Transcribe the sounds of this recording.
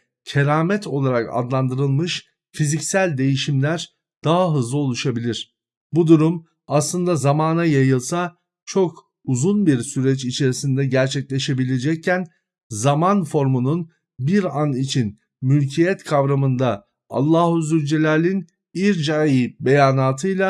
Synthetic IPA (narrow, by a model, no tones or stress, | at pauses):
cʰeɾaːmɛt̪ʰo̞lˠaɾaka̰d̪lˠand̪ɯɾɯlˠmɯʃ | fizicsælʲd̪e̞jiʃimlʲæɾ | d̪̥aɦaɦɯzlˠɯo̞lˠuʃabilʲiɾ̥ | bud̪uɾum | aslˠɯnd̪azamaːnajajɯlˠsa | t͡ʃʰo̞k | uzunbiɾsyɾɛt͡ʃit͡ʃʰe̞ɾisind̪ɛɟæɾt͡ʃʰɛclʲe̞ʃe̞bilʲe̞d͡ʒɛc̚cʰːæn | zamanfo̞ɾmunun | biɾanit͡ʃʰin | mylʲcʰijɛt̪kʰavɾamɯnd̪a | a̰lˠːaːhuzyɾd͡ʒelʲaːlʲin | iɾd͡ʒajibe̞jaːnaːt̪ʰɯjlˠa